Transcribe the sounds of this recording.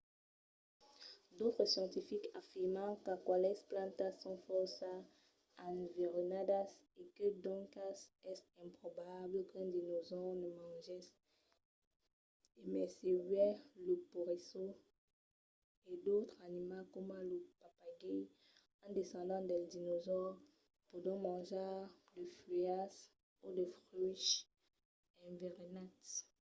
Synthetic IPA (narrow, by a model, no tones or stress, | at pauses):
d̪ot̪χəsjɑ̃nt̪ifikafiʁmɑ̃kakwalɛsplɑ̃nt̪asɔ̃fɔsa | aveʁonad̪as | ekəd̪ɔ̃ŋkasɛsɛ̃pχɔbabləkɛ̃nd̪inozɔʁnəmɑ̃ʒɛs | emɛsevɥɛləpoʁeso | ed̪ot̪χanimakɔmãləpapaɡɛ | ɑ̃d̪esɑ̃d̪ɑ̃d̪ɛldinozɔʁ | pud̪ɔ̃mɑ̃ʒadəfias | udəfʁyʃ | ɛ̃veʁenat